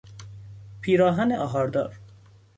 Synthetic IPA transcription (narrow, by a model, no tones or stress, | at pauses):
pʰiːɾɒːɦæneʔɒːɦɒːɾd̪ɒ̰ːɾ